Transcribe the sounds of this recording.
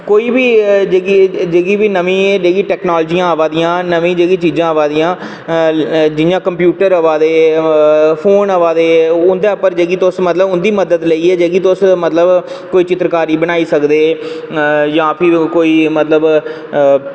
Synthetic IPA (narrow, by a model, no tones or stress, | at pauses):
koːiːbiːd͡ʒeːɡid͡ʒeːɡiːbiːnəʋĩːd͡ʒeːɡiːʈɛːknaːld͡ʒiːãːʋaːd̪ijãːnəʋĩːd͡ʒeːɡiːt͡ʃiːd͡ʒãːəʋaːd̪iːãː | d͡ʒɪjãːkəmpjuːʈəɾəʋaːd̪eː | pʰoːnəʋaːd̪eːʊnd̪eːpəɾd͡ʒeːɡiːt̪osmət̪ləbʊnd̪iːməd̪əd̪ləiːɛːd͡ʒeːɡiːt̪ʊsmət̪ləb | koːiːt͡ʃɪt̪ɾəkaːɾiːbəñaːiːsəkd̪eː | jãːpʰɪkoːiːmət̪ləb